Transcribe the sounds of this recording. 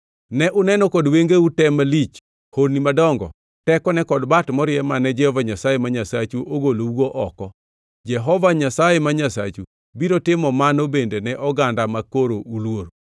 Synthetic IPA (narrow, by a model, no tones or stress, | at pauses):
nɛʔʊnɛnɔkɔdweŋɡeutɛmalit͡ʃ | honimadɔŋɡɔ̰ | tɛkɔnɛkɔdbatmɔɾɪɛmanɛd͡ʒɛhɔvaɲasajemaɲasat͡ʃuʔoɡolouɡoʔɔkɔ | d͡ʒɛɦɔvaɲasajemaɲasa̰t͡ʃu | biɾotɪmɔmanobendenɛʔɔɡandamakoɾoulwoɾ